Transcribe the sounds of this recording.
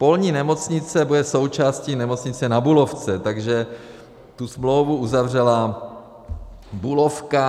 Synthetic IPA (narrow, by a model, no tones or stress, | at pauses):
po̞lɲiːnɛmo̞t͡sɲɪt͡sɛbudɛso̞wt͡ʃaːsciːnɛmo̞t͡sɲɪt͡sɛnabulo̞ft͡sɛt̪aɡʒɛ | t̪usmlo̞wvuʔuzavr̝ɛla | bulo̞fka